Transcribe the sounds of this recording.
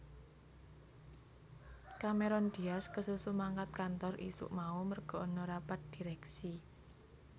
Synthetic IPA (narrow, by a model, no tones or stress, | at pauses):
kameɾɔnd̪̥iaskəsusumaŋkat̪̚kant̪ɔrʔḭsṵʔmaumərɡ̥ɔ̤ɔnɔɾapat̪̚d̪̥iɾɛksi